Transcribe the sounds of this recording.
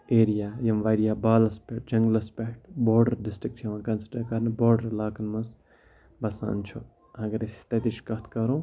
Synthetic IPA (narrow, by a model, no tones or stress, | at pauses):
eːɾijaːjɐmʋaːɾijaːbaːlɐspeʈ̚d͡ʒɐŋɡlɐspeʈboːɾɖɐɾɖɪsʈɾik̚ʈʰjɐʋãnkɐnsɐʈɐkɐɾnboːɾɖəɾlaːkɐnmɐs | bɐsa̰ːnt͡ʃʰo | ɦɐɡɐɾesst̪ɐt̪iʃkɐt̪ʰkɐɾõː